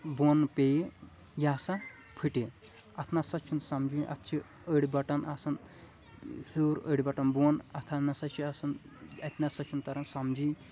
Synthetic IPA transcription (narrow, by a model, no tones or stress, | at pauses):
bonpeji | jaːsɐ | pʰɨʈe | ɐt̪ʰnɐsɐt͡ʃʰunsɐmd͡ʒiʔɐ̰t̪ʰt͡ʃʰi | əɽʲbɐʈɐnɐsɐn | hoːɾə̰ɽʲbɐʈɐnbonɐt̪ʰanɐsɐt͡ʃʰiɐsɐn | ɐt̪ʰʲnasɐt͡ʃʰunt̪ɐɾɐnsɐmd͡ʒi